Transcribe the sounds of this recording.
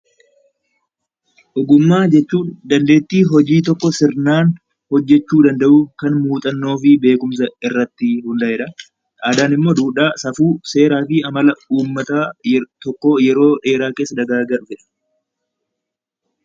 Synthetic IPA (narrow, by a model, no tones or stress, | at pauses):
ʔɔɡʊmːaːd͡ʒɛt͡ʃːuːnd̪ɐnd̪e̞ːt̪ːiːɦɔd͡ʒiːt̪̬ɔkːɔsɪɾnaːn | hɔd͡ʒːɛt͡ʃːuːd̪ɐnd̪ɐʔʊkɐnmuːt̪ʼɐnːo̞ːfɪbe̞ːkʊms̬ɐɪrːɐt̪ːɪhʊnd̪ɐhɛᶑɐ | ʔaːd̪aːnɪmːo̞ːd̪uːᶑaːsɐfuːse̞ːɾaːfɪɐmɐlɐuːmːɐt̪aːt̪ɔkːɔjɛɾo̞ːᶑe̞ːɾaːke̞ːsːɐd̪ɐɡaːɡɐᶑʊfɛᶑɐ̥